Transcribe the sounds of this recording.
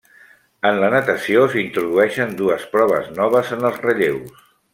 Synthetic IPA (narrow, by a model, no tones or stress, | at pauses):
ənlənət̪əsiosint̪ɾuð̞uɛʃənd̪uəspɾɔβ̞ə̰znɔβ̞əzənəlˠzrəʎews